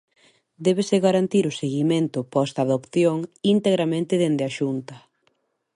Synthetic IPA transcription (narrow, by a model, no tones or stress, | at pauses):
d̪ɛβeseɣaɾant̪iɾʊseɣimẽnt̪ʊpɔst̪aːðopθjoŋint̪eɣɾamẽnt̪ɪðend̪eaʃunt̪ɐ